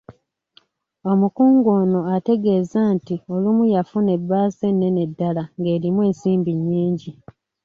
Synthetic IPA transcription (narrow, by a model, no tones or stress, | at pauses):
o̞mukuːŋɡo̞ːno̞ate̞ɡe̞ːzantio̞lumujafune̞bːaːze̞nːe̞ne̞dːalaŋɡe̞ːɾimwe̞ːnsiːmbiɲːiːɲɟi